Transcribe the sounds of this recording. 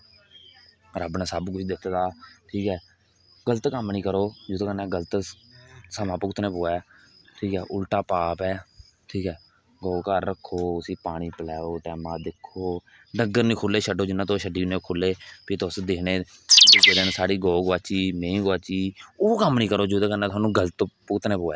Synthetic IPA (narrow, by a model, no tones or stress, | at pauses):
ɾəbnẽːsəbkʊt͡ʃʰd̪ɪt̪ʰd̪aːʈʰiːkɛː | ɡələt̪kəmnĩːkəɾoːd͡ʒot̪oːkənẽːɡələt̪ | səmãːpəkt̪ʰnẽːpoːɛː | ʈʰiːkɛːʔʊlʈaːpaːpɛː | ʈʰiːkɛː | ɡoːkəɾːəkʰːoːʊsĩːpaːɽ̃iːpəlɛːoːʈɛːmãːd̪ɪkʰːoː | ɖəŋɡəɾnĩːkʰʊlːeːʃəɖoːd͡ʒɪnːãːt̪oːʃəɖiːneːkʰʊlːeːpiːt̪osd̪eːnẽːed͡ʒeɾənsaːɽiːɡoːɡoaːt͡ʃiːmẽːĩːɡʋaːt͡ʃiːoːkəmnĩːkəɾoːd͡ʒuːd̪ekənɛːt̪ʊɦaːnũːɡələt̪pʊkt̪nẽːpoːɛː